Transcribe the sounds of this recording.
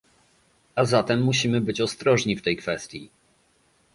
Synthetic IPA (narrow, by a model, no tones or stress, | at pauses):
azat̪ɛmːuɕimɘbɘt͡ɕɔst̪ɾɔʐɲift̪ɛjkfɛst̪ʲji